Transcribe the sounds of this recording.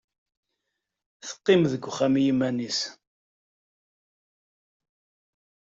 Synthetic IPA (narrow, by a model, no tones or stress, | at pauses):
θə̥qːɪmðəɡʷχæmijimænis